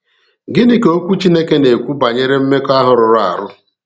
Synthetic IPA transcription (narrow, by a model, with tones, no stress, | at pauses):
ɡɪ˦nɪ˨ko˦kʷu˦t͡ʃi˦ne˦ke˦ne˨kʷu˦ba˨ɲe˦ɾe˦m̩˦me˦ka˦ɦʊ˨ɾʊ˨ɾʊ˦a̰˨ɾʊ˦